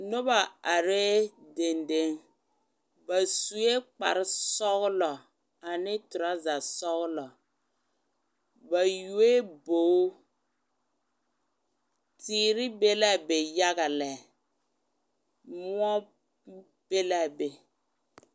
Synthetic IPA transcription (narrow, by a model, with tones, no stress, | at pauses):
nʊ˦ba˨a˨ɾe˦de˨nde˨˦ŋ | ba˨su˨e˦k͡pa̰˨ɾɪ˦sɔ˦ɣʊ˦lɔ˨ | a˨nɪ˦tʊ˨ɾa˦za˨sɔ˦ɣʊ˦lɔ˨ | ba˨ju˨e˦boː˨˦ | tʰiː˨ɾɪ˦be˦la˦be˨ja˦ɣa˨lɛ˨ | mʊ˦ɔ˦ | b̥e˦la˦be˨